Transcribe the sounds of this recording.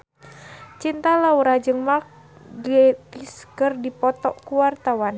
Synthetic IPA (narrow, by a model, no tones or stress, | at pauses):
t͡ʃint̪alauɾad͡ʒɨŋmak | ɡɛt̪iskɨrdipɔt̪ɔ̰ʔkuwart̪awan